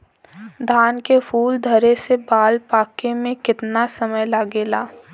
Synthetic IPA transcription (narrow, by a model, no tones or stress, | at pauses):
d̪ʱaːnkefʰuːld̪ʱɐɾesebaːlpaːkemẽkɪt̪nasɐməjlaːɡeːlaː